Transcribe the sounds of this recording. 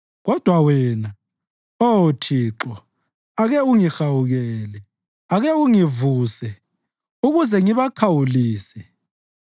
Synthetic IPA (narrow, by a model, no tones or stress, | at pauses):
ɣɔd̥ʱwawɛna | otʰiːǁɔ | aɣɛuŋixawuɣɛːlɛ | aɣɛuŋivuːsɛ | uɣuzɛŋiβakʰawuliːsɛ